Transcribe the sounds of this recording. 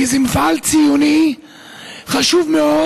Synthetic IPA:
izɛmfalt͡sijuni | χaʃuvmeo

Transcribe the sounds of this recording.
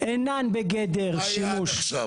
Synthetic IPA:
ʔenanbeɡed̪eʁʃimuʃ

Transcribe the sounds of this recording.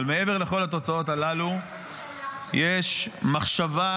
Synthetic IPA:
lmee̞ve̞ʁle̞χo̞lat̪o̞t͡sao̞t̪alalu | jeʃmaχʃava

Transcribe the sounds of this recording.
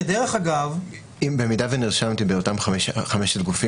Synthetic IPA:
edeʁeχaɡav | imbe̞midaveniʁʃamtibeotamχameʃχameʃet̚ɡufi

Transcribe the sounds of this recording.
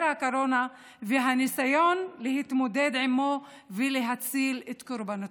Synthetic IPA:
ɾhakoɾona | veɦanisajonlehit̪mod̪ed̪ʕimːo | veleɦat͡silet̪koɾbano

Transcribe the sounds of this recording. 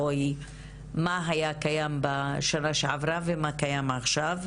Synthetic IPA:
oj | maɦajakajambaʃanaʃeʕavɾavemakajamaχʃav

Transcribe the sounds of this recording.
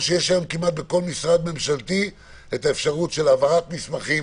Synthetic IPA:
ʃejeʃlajomkimat̪̚be̞ko̞lmisʁad̪me̞mʃalt̪i | etaefʃaʁutʃe̞lavaʁat̪mismaχi

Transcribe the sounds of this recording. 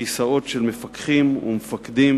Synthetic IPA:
isao̞tʃelmefakχimṵmefakd̪im

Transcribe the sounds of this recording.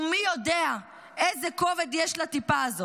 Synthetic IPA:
mijod̪ea | ezeko̞ved̪jɛʃlat̪ipaːzot

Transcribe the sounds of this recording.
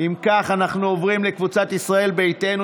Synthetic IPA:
imkaχanaχnuovʁimlekvut͡sat̪isʁae̞lbe̞jt̪e̞nu

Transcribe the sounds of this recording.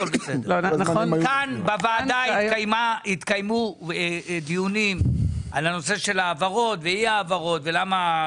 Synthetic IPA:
olbesed̪kanbavaːd̪aitkajmait̪kajmu | d̪iunimʔalano̞se̞ʃe̞laːvaʁo̞t̪veiaːvaʁo̞t̪ve̞lama

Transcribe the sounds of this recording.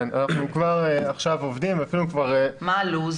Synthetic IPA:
na̰naχnukvaʁeaχʃavovd̪imafilukvaʁemaluz

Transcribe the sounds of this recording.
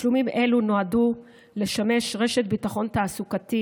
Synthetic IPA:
ʃlumimʔe̞luno̞adu | le̞ʃame̞ʃʁe̞ʃe̞t̚bitaχo̞ntaːsukati

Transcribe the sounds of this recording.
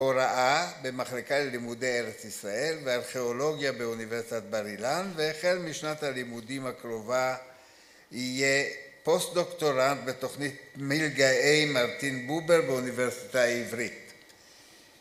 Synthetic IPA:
oɾaʔabemaχlekalelimudejeʁet͡sisʁae̞lveaʁχe̞olo̞ɡjabeuniveʁsit̪at̪̚baʁilanveːχelmiʃnathalimudimhakʁo̞va | ijepo̞st̪̚d̪o̞kt̪o̞ʁant̪bet̪o̞χnit̪milɡaejmaʁt̪inbubeʁbeuniveʁsi̥taivʁit

